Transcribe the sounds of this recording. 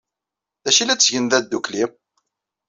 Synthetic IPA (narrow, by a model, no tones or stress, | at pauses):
ðæʃilæt͡sːʝənðæd̪ːuklim